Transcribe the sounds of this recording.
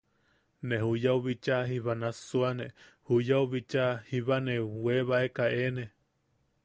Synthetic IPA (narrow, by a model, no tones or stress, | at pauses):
neɦujauβit͡ʃaɦiβanasuanehujauβit͡ʃahiβaneweβaekaene